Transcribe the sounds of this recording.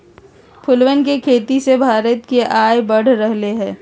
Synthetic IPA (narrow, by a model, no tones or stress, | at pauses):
pʰʊlwənkekʰeːt̪isebʱaːɾət̪keʔaːjbɐɽ̤ɾəɦleɦɛ̃ː